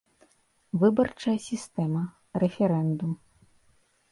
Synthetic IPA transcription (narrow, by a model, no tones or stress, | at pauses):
vɨbɐrt͡ʂɐjɐsʲist̪ɛmɐ | ɾɛfʲɛɾɛnd̪um